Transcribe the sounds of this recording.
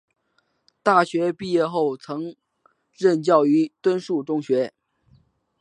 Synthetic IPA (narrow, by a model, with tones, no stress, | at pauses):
t̪a˥˩ɕɥɛ˧˥pi˥˧jɛ˥˧xo˥˩ʊt͡sʰɤ˧˥ŋ | ɻə˥˧nt͡ɕjɑ˥˩ʊy˧˥t̪wə˥nʂu˥˩ʈ͡ʂʊ˥ŋɕɥɛ˧˥